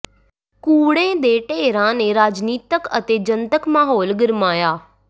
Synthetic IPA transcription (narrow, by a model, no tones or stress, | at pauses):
kuːɽẽːd̪eːʈeːɾãːneːɾaːd͡ʒniːt̪əkə̰t̪eːd͡ʒənt̪əkmaːɦoːlɡɪɾmaːjaː